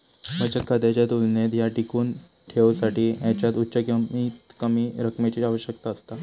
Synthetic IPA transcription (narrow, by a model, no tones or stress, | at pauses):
məɡd͡ʑat̪̚kʰad̪jat͡ɕjat̪ulnet̪jaʈikuːn | ʈʰeʋsaʈiːjãt͡ɕjat̪utːɕəkit̪kəmiːɾəkmet͡ɕiaʋəɕjək̚t̪aəst̪a